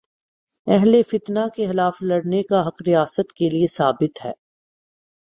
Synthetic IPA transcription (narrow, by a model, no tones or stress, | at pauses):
ɛɦlefɪt̪nakexɪlaːflɐɽnekaɦɐqɾijaːsət̪keliesaːbɪt̪ɦɛ̰ː